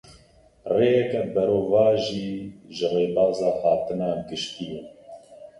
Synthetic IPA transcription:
reːjɛkɛbɛɾoːvɑːʒiːʒɨreːbɑːzɑːhɑːt̪ɨnɑːɡɨʃt̪iːjɛ

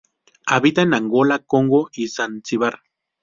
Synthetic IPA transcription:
aβit̪anaŋɡolakoŋɡoisant͡siβaɾ

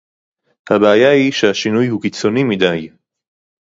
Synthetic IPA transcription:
habaːjaiʃaʃinujhukit͡sonimid̪aj

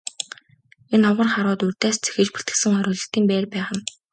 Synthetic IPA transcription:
enɔʁə̆rχaɾʊːt̪urʲt̪æːst͡sʰe̥xɘ̆t͡ɕpu̥t̪ɡɘ̆sɘ̆ŋχɔɾʲʊːɮɞ̆ɬt̪iːmpæːrpæːχə̆n

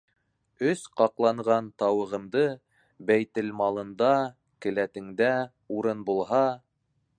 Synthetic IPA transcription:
ɵsqɑqlˠɑɴʁɑnt̪ɑwɤ̆ʁɤ̆md̪ɤ | bæjt̪ɘlmɑlˠɤ̆nd̪ɑ | kɘ̆læt̪ɘ̆ŋd̪æ | uɾɤnbulˠɦɑ

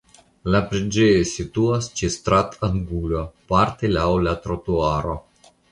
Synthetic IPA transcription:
lapɾed͡ʒesit̪uast͡ʃest̪ɾat̪ʰaŋɡulopaɾt̪elawlat̪ɾot̪uaɾo

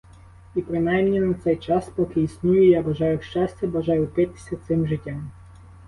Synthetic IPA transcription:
ipɾɪnɑjmnʲinɐt̪sɛjt͡ʃɑspɔkɪisʲnʲujʊjabɐʒɑjʊʃt͡ʃɑsʲtʲɛbɐʒɑjʊpɪt̪ɪ̥sʲɐt̪sɪmʒɪtʲːam

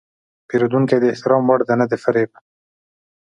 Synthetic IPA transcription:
peɾod̪uŋked̪əɪht̪ɪɾɑmwaɽd̪anad̪efaɾeb̚

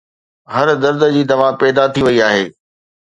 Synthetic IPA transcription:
ɦɐɾd̪ɐɾd̪əd͡ʑiːd̪ɐʋãpɛːd̪at̪ʰiʋɐiaːɦeː

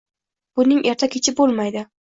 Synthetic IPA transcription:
b̥ʊnɪŋʔeɾt̪ʰakʲʰet͡ʃʰɪbolˠmajd̪ɪ

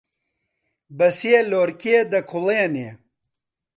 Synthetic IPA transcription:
bɐsjeloːɾkʲeːd̪ɐkʰuleːneː

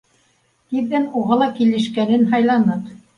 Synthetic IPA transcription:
t̪iðːænuʁɑlˠɑkilɘ̆ʃkænɘnɦɑjlˠɑnɤt

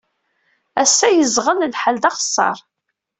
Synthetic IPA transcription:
æsːæjəzʁəllħəld̪ɑχə̥sˤːɑ̰ɾˤ

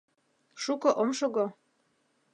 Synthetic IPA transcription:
ʃukɤ̆ʔomʃoɣo

